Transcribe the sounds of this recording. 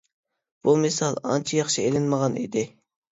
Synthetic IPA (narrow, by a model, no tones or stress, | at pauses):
b̥umɪsɑlˠɑ̰nt͡ʃʰijɑχʃielɪnməʁɑnḭd̪ɪ